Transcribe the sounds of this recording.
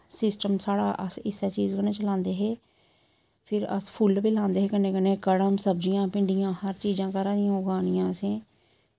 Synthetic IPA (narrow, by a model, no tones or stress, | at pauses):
sɪsʈəmsaːɽaːʔəsɪsɛːt͡ʃiːzkənẽːt͡ʃəlãːnd̪eːɦeː | pʰɪɾə̰spʰʊlpiːlãːnd̪eːɦeːkəneːkɪneːkəɽəmsəbd͡ʒijãːpɪɳɖijãːhəɾt͡ʃiːzãːkəɾãːd̪ɪjãːʊɡaːɽɪjãːəsẽː